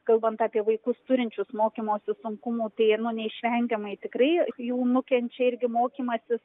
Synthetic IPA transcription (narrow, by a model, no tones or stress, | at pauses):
kɐlˠbɐnt̪ɑːpʲiɛʋɐɪkʊst̪ʊɾʲɪnʲt͡ʃʲʊsmoːkʲiːmoːsʲʊsʊŋkʊmuːt̪ɐɪnʊnʲɛɪʃʲʋʲɛŋʲɡʲɛmɐɪt̪ʲɪkrɐɪjuːnʊkʲɛnʲt͡ʃʲɛɪɾʲɡʲɪmoːkʲiːmɐsʲɪ